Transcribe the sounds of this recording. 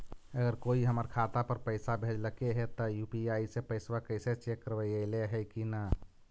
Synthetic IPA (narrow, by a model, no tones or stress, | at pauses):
əɡəɾkoiɦəməɾkʰat̪apəɾpəɪsabʱed͡ʒləkeɦet̪ɔjupiaisepəɪsbakəɪset͡ʃekːəɾbəjəɪleɦəjkina